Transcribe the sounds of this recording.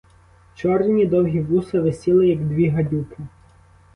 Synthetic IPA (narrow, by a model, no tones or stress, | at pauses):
t͡ʃɔrnʲid̪ɔwɦʲiʋusɐʋɪsʲilˠɪjɐɡd̪ʋʲiɦɐdʲupɪ